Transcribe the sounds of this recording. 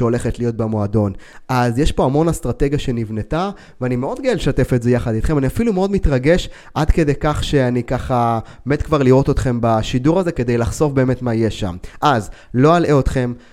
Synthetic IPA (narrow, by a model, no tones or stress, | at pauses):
o̞le̞χetlijo̞t̚bemoado̞nʔazjeʃpo̞amo̞nast̪ʁateɡjaʃenivne̞ta | vanimeo̞d̪̚ɡaelʃate̞fetze̞jaχad̪it̪χe̞maniafilumeo̞dmit̪ʁaɡe̞ʃ | ʔadke̞dejkaχʃe̞anikaχa | me̞t̪kvaʁliʁo̞t̪o̞t̪χe̞mbaʃiduʁaze̞ke̞d̪ejlaχz̥o̞fbe̞ːme̞tmaijeʃa̰mʔazlo̞alʔeo̞t̪χe̞m